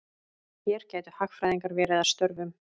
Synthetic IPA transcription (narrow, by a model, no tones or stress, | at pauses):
θjɛːɾ̥caːjt̪ʏ̥haxkfɾaːjðiŋkaɾvɛːɾɪðaðst̪œɾvʏm